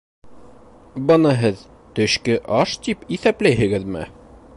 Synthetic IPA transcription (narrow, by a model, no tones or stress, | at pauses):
bɤ̆nɤɦɘð | t̪ɵ̆ɕkɘʔɑʃt̪ipiθæplæjɦɘ̆ɡɘðmɘ̰